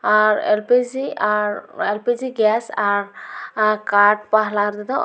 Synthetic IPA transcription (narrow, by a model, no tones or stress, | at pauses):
aɾḛlpiziaɾelpid͡ʒiɡasaɾ | kaːʈ̚paɦlaɾd̪ed̪o